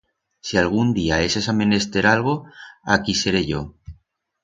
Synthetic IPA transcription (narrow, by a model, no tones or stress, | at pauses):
sialɣ̞und̪iae̞sesamẽ̞ne̞st̪e̞ɾalɣ̞o̞a̰kise̞ɾe̞ʝo̞̰